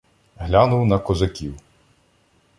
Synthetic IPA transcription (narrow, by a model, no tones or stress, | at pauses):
ɦlʲanʊwnɐkɔzɐkʲiw